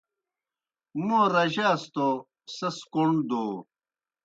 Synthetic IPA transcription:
moɾɐʑast̪o | sɐskoɳd̪oː

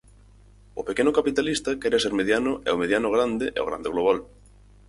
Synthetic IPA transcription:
ʊpekenʊkapit̪alist̪ɐkɛɾaseɾmeðjanʊʔɛ̰omeðjanʊɣ̞ɾand̪ɪʔɛ̰o̰ɣɾa̰nd̪eɣloβ̞al

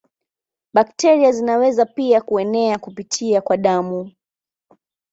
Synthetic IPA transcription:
ɓaktɛɾiazinawɛzapiakuɛnɛakupitʰiakwaɗamu

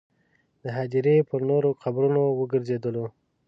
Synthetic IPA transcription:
d̪əɦɑd͡ʒ̪iɾepəɾnoɾoqabɾunowəɡəɾzed̪əlo

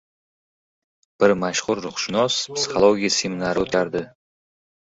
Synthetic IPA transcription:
b̥ɪɾmaʃχʊɾːʊχʃɪnɒspsɪ̥χolˠoɡʲijasemɪnaɾɪot̪ʰaɾd̪ɪ

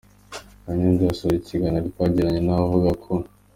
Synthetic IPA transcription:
aɲenziasoɾicʰiɡanaɾikaɟiɾaɲenavuɡakʰo

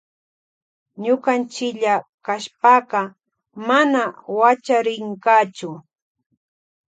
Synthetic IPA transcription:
ɲʊkant͡ʃɪʎakaʃpaːqɑ | manawat͡ʃaɾɪŋkaːt͡ʃʊ

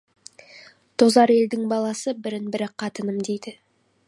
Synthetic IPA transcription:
t̪ʰozɑɾe̞ld̪ɪŋbɑlˠɑsəbɪɾɪnbɪɾɪqʰɑt̪ənəmd̪e̞jd̪ɪ

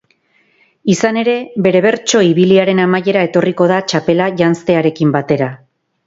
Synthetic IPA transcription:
isane̞ɾe̞βe̞ɾe̞β̞e̞ɾt͡ʃo̞iβiliaɾe̞namaje̞ɾae̞t̪o̞riko̞ð̞at͡ʃape̞laʝanst̪e̞aɾe̞kimbat̪e̞ɾa

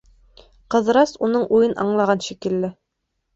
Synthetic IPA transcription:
qɤ̆ðɾɑsunɤɴʔujɤnʔɑ̰ɴlˠɑʁɑnʃikɘ̆lːɘ

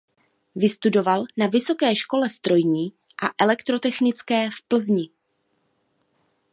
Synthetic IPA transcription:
vɪst̪udo̞valnavɪso̞kɛːʃko̞lɛst̪ɾo̞jɲiː | ʔaʔɛlɛkt̪ɾo̞t̪ɛxnɪt͡skɛːfpl̩zɲɪ

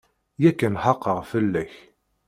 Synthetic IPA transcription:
jækːənħɑqːəʁfəlːæç

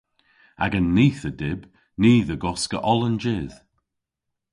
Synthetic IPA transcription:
a̰ɡənːiːθədɪb | niːðəɡɔskə̰ʔɔlənd͡ʒɪːð̥

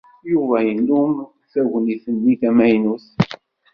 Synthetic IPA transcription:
juvæjənːum | θæʝəniθənːiθæmæjnuθ

